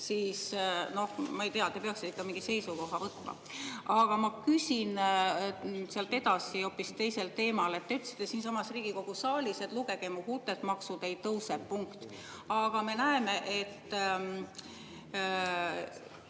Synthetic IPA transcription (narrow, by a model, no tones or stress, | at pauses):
siːsno̞hmɑejt̪eɑt̪ːepeɑksi̥t̪eikːɑmiŋɡ̥ise̞jsuko̞ɦɑvɤt̪ːˑmɑ̰ | ɑɡ̥ɑmɑkysʲin | seɑlt̪ˑːe̞d̪ɑsio̞ːpːˑist̪e̞jse̞lt̪e̞ːmɑle̞t̪ːeyt̪ːsi̥t̪ːe̞siːnsɑmɑsriːɡ̥iko̞ɡ̥usɑːlʲise̞t̪luɡ̥e̞ɡ̥emuhut̪ːˑet̪mɑksud̪ejtɤwsepːuŋkt̪ | ɑɡ̥ɑme̞næeme̞ʔe̞t̪ː